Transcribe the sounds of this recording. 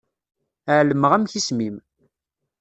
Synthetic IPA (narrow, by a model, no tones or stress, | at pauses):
əʕləməʁæmçismim